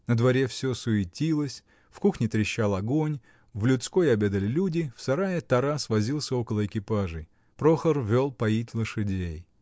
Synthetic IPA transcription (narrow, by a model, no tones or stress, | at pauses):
nəd̪vɐɾʲefsʲosʊɪtʲilˠəsʲ | fkuxnʲɪt̪ɾʲɪɕːalˠɐɡo̞nʲ | vlʲʊt̪sko̞jɐbʲe̞d̪əlʲɪlʲudʲɪfsɐɾajət̪ɐɾasvɐzʲilˠsʲəo̞kəlˠəɪkʲɪpaʐɨj | pɾo̞xərvʲo̞lˠpɐjitʲlˠəʂɨdʲej